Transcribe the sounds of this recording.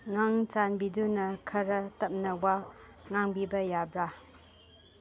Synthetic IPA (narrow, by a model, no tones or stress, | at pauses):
ŋaŋt͡ʃanbidunɐkʰɐɾɐtɐp̚nɐwa | ŋaŋbibɐjabɾa